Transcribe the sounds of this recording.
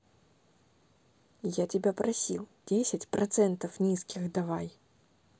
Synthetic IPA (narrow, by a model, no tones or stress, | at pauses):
jatʲɪbʲapɾʔɐsʲilˠdʲesʲɪtʲpɾʔɐt̪sɛnt̪əfnʲiskʲɪxd̪ɐvaj